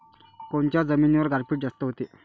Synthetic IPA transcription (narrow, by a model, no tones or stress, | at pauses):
koɳt͡ɕjad͡zəmiːnʋəɾɡʱaɾpʰiːʈ̚d͡zast̪əɦot̪e